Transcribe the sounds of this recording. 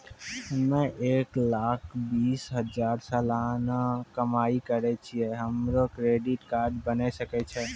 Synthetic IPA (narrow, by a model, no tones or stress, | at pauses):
mẽʔeːklakʰbisɦəd͡ʒaɾsalanakəmaikəɾɛt͡ʃʰiɛɦəmɾokɾeɖiʈkaɾɖbənɛsəkɛt͡ʃʰɛ